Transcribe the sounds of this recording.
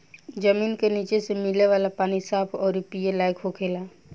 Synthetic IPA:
d͡ʒəmiːnkeniːt͡ʃesemɪleʋaːlapaːnisaːpʰɔːɾipielaːjkɦokʰeːla

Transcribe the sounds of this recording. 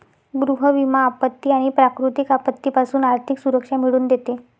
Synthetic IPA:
ɡɾuɦəʋimaːpət̪ːiːaɽ̃ipɾakɾut̪ikapət̪ːipasuːnaɾt̪ʰiksuɾəkʂamiɽuːnd̪et̪e

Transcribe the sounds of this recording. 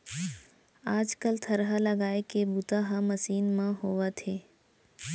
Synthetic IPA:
aːd͡ʒkəlt̪ʰɐɾɦaləɡaːekebut̪aːɦamɐsiːnmãɦoːʋat̪ʰeː

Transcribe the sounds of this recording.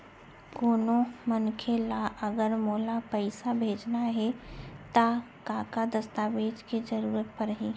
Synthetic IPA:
koːnomənkʰelaʔəɡəɾmoːlapəɪsabʱeːd͡ʒnaɦɛt̪a | kãːkad̪əst̪aːʋeːd͡ʒked͡ʒəɾuːɾət̪̚pəɾɦi

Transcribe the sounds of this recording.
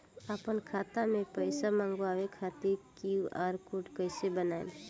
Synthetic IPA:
əpənkʰaːt̪amẽpəɪsamãːŋɡʋawekʰat̪iɾkiuaɾkuʈkəɪsebənaːj̰l

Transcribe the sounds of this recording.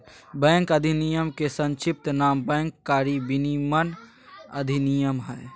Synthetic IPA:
bɛ̃ːŋkəd̪ʱinijəmkesə̃nt͡ʃip̚t̪naːmbɛ̃ːŋkːaɾibinimən | əd̪ʱinijəmɦɛː

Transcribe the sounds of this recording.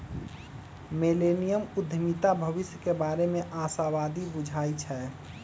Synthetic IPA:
meleːnijəmʊd̪ʱəmit̪abʱəʋɪsjəkebaːɾemẽʔaːsaʋaːd̪ibʊd͡ʒʱaːit͡ʃʰɛː

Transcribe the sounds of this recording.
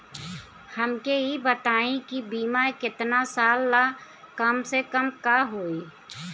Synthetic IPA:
həmkeibət̪aːĩkibiːmakɪt̪nasaːlːa | kəmsekəmkaːɦoːiː

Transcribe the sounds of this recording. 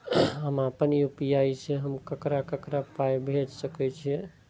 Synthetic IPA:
ɦəmapənjupiaiseɦəmkəkɾakəkɾapajbʱed͡ʒsəkɛt͡ʃʰie

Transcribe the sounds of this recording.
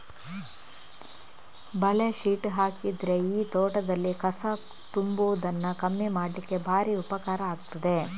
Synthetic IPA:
bɐɭeʃiːʈɦaːkid̪ɾeiːt̪oːʈɐd̪ɐlːikɐsɐt̪umboːd̪ɐnːɐkɐmːimaːɽlikːe̞bʱaːɾiupɐkaːɾɐaːɡut̪ɐd̪e

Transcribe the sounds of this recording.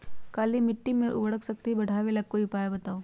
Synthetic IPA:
kaːlimɪʈːimẽʔʊ̰bəɽəksɐk̚t̪ibɐɽ̤ʱaːʋelɐɡ̚kːoiʊpaːjabɐt̪aːoː

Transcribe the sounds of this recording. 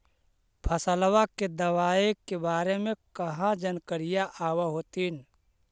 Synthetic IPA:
pʰəsəlwaked̪ɐwaːekebaːɾemẽkəɦãd͡ʒənkəɾijaʔaːwaɦot̪iːn

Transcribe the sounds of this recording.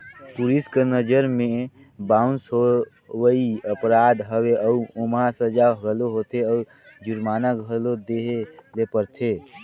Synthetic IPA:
puliskenəd͡ʒəɾmẽ | baːʊnsɦo | wəiəpɾaːd̪ɦəweʔəuʊmasəd͡ʒaɡəloɦot̪ʰeəu | d͡ʒʊɾmaːnaɡɡʱəlod̪eːɦelepəɾt̪ʰeː

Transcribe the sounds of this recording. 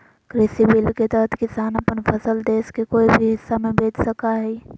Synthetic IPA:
kɾeːsibɪlket̪ɛɦət̪ʰkɪsaːnɐpənfʰɐsəld̪eːskekoːibʱiɦɪsːamẽbeːt͡ʃʰsɐkaɦɛː

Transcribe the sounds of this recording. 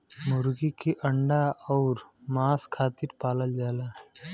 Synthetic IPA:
mʊɾɡikeʔəɳɖaɔːɾmaːskʰaːt̪iɾpaːləld͡ʒaːlaː

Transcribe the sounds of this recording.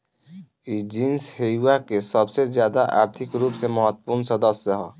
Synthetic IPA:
id͡ʒĩnsheuakesəbsezjaːd̪aʔa̰ːɾt̪ʰɪkɾuːpsemɐɦət̪ːpuɾnsɐd̪əsjəɦɔː

